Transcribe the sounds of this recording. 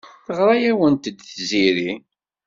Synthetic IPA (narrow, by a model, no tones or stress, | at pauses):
θəʁɾˤɑjæwənt̪əd̪θziɾi